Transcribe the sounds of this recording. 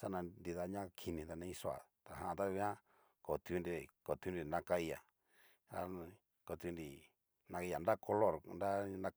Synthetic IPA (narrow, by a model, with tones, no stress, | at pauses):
sa˦nã˧ndi˧ða˧˦ɲã˦kʰi˧nĩ˧t̪a˧nã˧ĩ˧˦so˧˦a̰˨t̪a˨ɦã˧ʔã˧t̪a˦˧βi˦ã˦ | ko˨t̪u˧˦˧nɾi˧˨ko˨t̪u˦nɾi˧nã˧ka˧i˧ja˨ | a˦ | ko˧t̪nɾi˨ | nã˧a˧a˨nda˦kʰo˧lo˦˨ɾnda˦na˧